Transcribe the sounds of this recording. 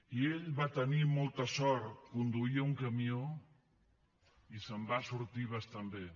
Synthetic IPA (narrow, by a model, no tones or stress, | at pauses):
ieʎβat̪ɐniɾmɔlt̪ɐsɔɾt̪kund̪uiɐuŋkɐmjo | isɐmbasuɾt̪iβɐst̪ambe